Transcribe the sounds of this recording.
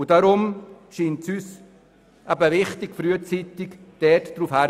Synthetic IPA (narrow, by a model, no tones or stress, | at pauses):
ud̥aɾʊmʃiːntsyːs | ʔabəʋɪχtɪkfɾyət͡siːtɪkd̥ɛtd̥ɾuːfhæ